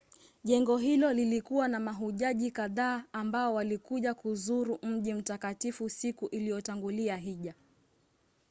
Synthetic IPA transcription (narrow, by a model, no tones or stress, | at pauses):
ʄɛŋɡɔɦilɔlilikuwanamaɦuʄaʄikaðaːmbaɔwalikuʄakuzuɾum̩ʄim̩takatifusikuʔilijɔtaŋɡuliaɦiʄa